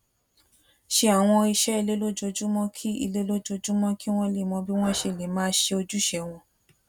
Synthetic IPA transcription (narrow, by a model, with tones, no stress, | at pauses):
ʃe˧˦a˨w̃ɔ̃˧i˧ʃɛ˦i˧le˦lo˦d͡ʒo˧d͡ʒu˦mɔ̃˦kʰi˦ḭ˧le˦lo˦d͡ʒo˧d͡ʒu˦mɔ̃˦ki˦w̃ɔ̃˦le˨mɔ̃˧bi˦w̃ɔ̃˦ʃe˧˨le˨mãː˦ʃe˧o˧d͡ʒu˦ʃɛ˧˨w̃ɔ̃˧